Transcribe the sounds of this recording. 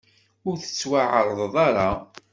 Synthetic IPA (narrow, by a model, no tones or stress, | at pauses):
ʊɾθə̥t͡sːwaʕəɾˤðˤðˤɑɾˤɑ